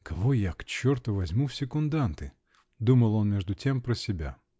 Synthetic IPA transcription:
kɐvojakt͡ɕːɔrt̪əʋɐzʲmufsʲɪkʊnd̪ant̪ɨ | d̪uməlˠonmʲeʐd̪ʊtʲempɾɐsʲɪbʲa̰

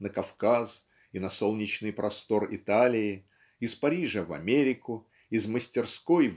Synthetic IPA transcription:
nəkɐfkas | inɐso̞lˠnʲɪt͡ɕnɨjpɾʔɐst̪o̞rɪ̰t̪alʲɪɪ | ɪspɐɾʲiʐəvɐ̰mʲeɾʲɪkʊ | ɪzməsʲtʲɪrsko̞jv

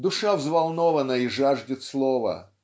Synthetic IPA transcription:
d̪ʊʂavzvɐlˠnovənəiʐaʐdʲɪt̪slˠovə̰

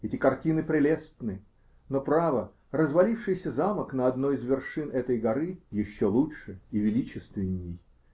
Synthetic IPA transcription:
ɛtʲɪkɐrtʲinɨpɾʲɪlʲest̪nɨ | nopɾavə | ɾəzvɐlʲifʂɨjsʲəzaməknəɐd̪no̞jizvʲɪrʂɨnɛt̪əjɡɐɾɨjɪɕːolˠuʂɨivʲɪlʲit͡ɕɪst̪vʲɪnʲːɪj

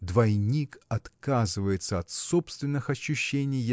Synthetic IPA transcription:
d̪vɐjnʲikɐt̪kazɨvəjɪt̪səɐt̪so̞pst̪vʲɪnːɨxɐɕːʉɕːenʲɪj

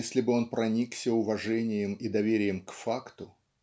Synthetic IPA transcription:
esʲlʲɪbɨo̞npɾɐnʲiksʲəʊvɐʐɛnʲɪjɪmid̪ɐvʲeɾʲɪjəmkfakt̪ʊ

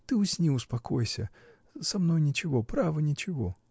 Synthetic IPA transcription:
t̪ɨʊsʲnʲiʊspɐkojsʲə̰ | sɐmno̞jnʲɪt͡ɕɪvo̞pɾavənʲɪt͡ɕɪvo

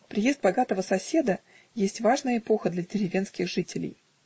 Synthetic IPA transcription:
pɾʲɪjezt̪̚bɐɡat̪əvəsɐsʲe̞d̪ə | jesʲtʲvaʐnəjəɪpo̞xəd̪lʲɐdʲɪɾʲɪvʲe̞nskʲɪxʐɨtʲɪlʲɪ̰j

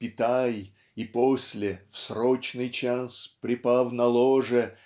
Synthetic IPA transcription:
pʲɪt̪aj | iposʲlʲɪfsrot͡ɕnɨjt͡ɕaspɾʲɪpafnɐlˠoʐə

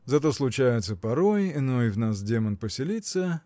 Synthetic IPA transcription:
zɐt̪̬o̞slˠʊt͡ɕæjɪt̪səpɐɾo̞jɪnojvnas̬dʲemənpəsʲɪlʲit̪sə

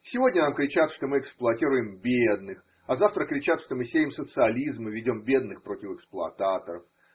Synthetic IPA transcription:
sʲɪvo̞dʲnʲənamkɾʲɪt͡ɕat̪ʂt̪o̞mɨɛksplˠʊɐtʲiɾʊjɪmbʲed̪nɨx | ɐzaft̪ɾəkːɾʲɪt͡ɕat̪ʂt̪o̞mɨsʲejʲɪmsət̪sɨɐlʲizmɨvʲɪdʲo̞mbʲe̞d̪nɨxpɾo̞tʲɪfɨksplˠʊɐt̪at̪əɾəf

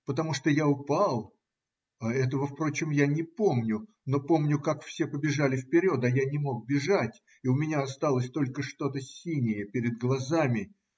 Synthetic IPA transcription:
pət̪ɐmuʂt̪ojaʊpalˠ | aɛt̪əvəfpɾo̞t͡ɕɪmjanʲɪpo̞mnʲʊ | no̞po̞mnʲʊkakfsʲe̞pəbʲɪʐalʲɪfpʲɪɾʲo̞t̪ajanʲɪmo̞k̚bʲɪʐatʲ | iʊmʲɪnʲaɐst̪alˠəsʲt̪o̞lʲkəʂt̪o̞t̪əsʲinʲɪjəpʲɪɾʲɪd̪̚ɡlˠɐzamʲɪ

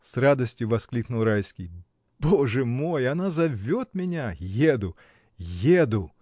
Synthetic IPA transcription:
srad̪ɐsʲtʲjʊvɐsklʲiknʊlˠɾajskʲij | b̥ɔʐɛmɔjanazɐvʲːɔt̪̚mʲɪnʲajed̪ʊ | jed̪ʊ

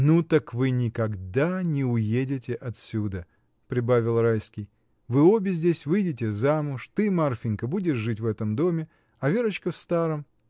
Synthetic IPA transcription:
nut̪əkvɨnʲɪkɐɡd̪anʲɪʊjedʲɪtʲɪʔɐt̪sʲud̪ə | pɾʲɪbavʲɪlˠrajskʲɪj | vɨo̞bʲɪzʲdʲesʲvɨjdʲɪt̬ʲɪzamʊʂt̪ɨmarfʲɪnʲkəbudʲɪʂʐɨtʲvɛt̪əmd̪o̞mʲɪ | ɐvʲeɾət͡ɕkəfst̪aɾəm

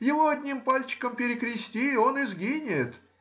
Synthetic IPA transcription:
jɪvoɐdʲnʲimpalʲt͡ɕɪ̥kəmpʲɪɾʲɪkɾʲɪsʲtʲio̞nɪzɡʲinʲɪjɪt̪

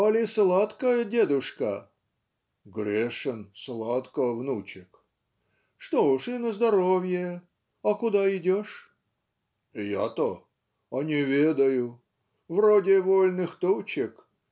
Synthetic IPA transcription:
ɐlʲɪslˠat̪kəjədʲed̪ʊʂkə | ɡɾʲeʂɨnslˠat̪kəvnut͡ɕɪk | ʂt̪oʊʂɪnəzd̪ɐɾovʲje | ɐkʊd̪aɪdʲoʂ | ja̰t̪o | ɐnʲɪvʲed̪əjʊ | vrodʲɪvolʲnɨxt̪ot͡ɕɪk

